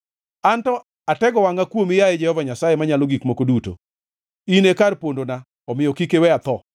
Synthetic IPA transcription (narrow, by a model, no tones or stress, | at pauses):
antɔ | atɛɡɔwaŋɡakwomijaed͡ʒɛhɔvaɲasajemaɲaloɡikmokoduto̰ | inekarpondona | ɔmɪjɔkikewɛat̪ɔ